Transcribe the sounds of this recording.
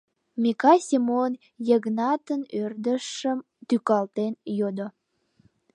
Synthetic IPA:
mʲikɑjsʲimon | jəɣnɑt̪ənørd̪əʃəm | t̪ykɑlt̪enjod̪o

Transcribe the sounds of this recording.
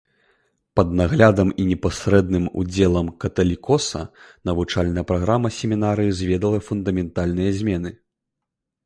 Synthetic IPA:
pɐd̪̚naɣlʲad̪ɐminʲɛpasʲɾɛd̪nɨmṵd͡zʲɛlˠɐmkɐt̪ɐlʲikɔsɐ̰nɐvut͡ʂalʲnɐjɐpɾaɣɾamɐsʲɛmʲinaɾɨjizʲvʲɛd̪ɐlˠɐfund̪ɐmʲɛnt̪alʲnɨjɐzʲmʲɛn̪ɨ

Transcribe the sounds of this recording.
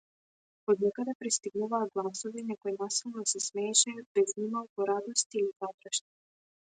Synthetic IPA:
ɔd̪nɛkad̪ɛpɾist̪iɡnuvaːɡlˠasɔvinɛkojɛnasilˠnd̪asɛsmɛːʃɛjubɛznimalˠkɔɾad̪ɔst̪ilizat̪ɾaʃt̪i̥

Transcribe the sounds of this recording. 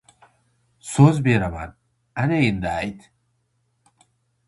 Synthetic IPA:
sozbeɾama̰n | ɐneind̪ajt̪

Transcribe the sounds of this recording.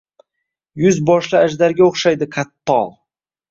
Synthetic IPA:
jʊzbɒʃlɪad͡ʒd̪aɾɡʲaoχʃajd̪ɪkʰat̪ːɒlˠ

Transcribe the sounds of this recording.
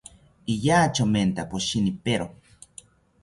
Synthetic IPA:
ijaːt͡ʃoment̪apoʃinipeɾo

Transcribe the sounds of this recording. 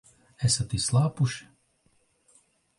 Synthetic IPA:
ɛsat̪islˠaːpuʃi̥

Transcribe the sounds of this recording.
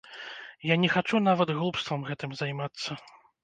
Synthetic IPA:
janʲɛxat͡ʂunavɐd̪ɣlˠupst̪vɐmɣɛt̪ɨmzajmat̪sːɐ

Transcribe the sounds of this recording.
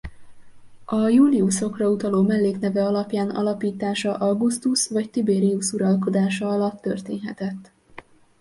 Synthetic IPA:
ɒjuːliuso̞krɒut̪ɒloːmɛlːeːknɛvɛɒlɒpjaːnɒ̰lɒpiːt̪aːʃɒʔɒɡust̪usvɒct̪ibeːɾiusuɾɒlko̞d̪aːʃɒɒlɒt̪ːørt̪ḛːnɦɛt̪ɛt̪ː

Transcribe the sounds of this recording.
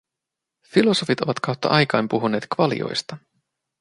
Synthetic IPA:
filo̞sofit̪o̞ʋɑt̪kɑwt̪ːɑʔɑjkɑjmpuɦune̞ːt̪kʋɑlḭo̞̰jst̪ɑ

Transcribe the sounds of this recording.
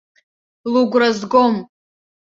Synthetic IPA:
luɡʷrazɡom

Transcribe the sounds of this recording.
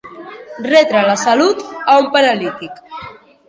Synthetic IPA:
ret̪ɾalasalut̪aumpanalit̪ik

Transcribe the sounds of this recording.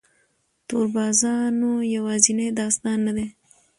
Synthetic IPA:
t̪oɾbɑzɑnojawɑzinajd̪ɑst̪ɑnːad̪e

